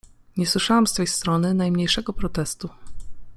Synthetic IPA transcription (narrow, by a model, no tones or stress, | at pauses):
ɲɛswɘʂawamst̪fɛjst̪ɾɔnɘnajmɲejʂɛɡɔpɾɔt̪ɛst̪u